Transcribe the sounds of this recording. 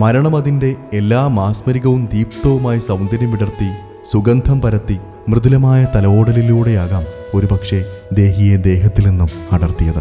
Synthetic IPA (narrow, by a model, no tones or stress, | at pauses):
mɐɾɐɳɐmɐðinde̞ːlːaːmaːsmɐɾiɣɐʋumd̪iːpt̪ɐʋumaːjisɐwnd̪ʱɐnɐmʋiɽɐrt̪ːi | suɡɐnd̪ʱɐmpɐɾɐt̪ːi | mrɨðulɐmaːjɐt̪ɐlɐo̞ːɽɐliluːɽe̞jaːɣaːm | o̞ɾupɐkʂe̞d̪e̞ːɦijed̪e̞ːɦɐt̪ːilnenːumɐɽɐrt̪ijɐðɨ̰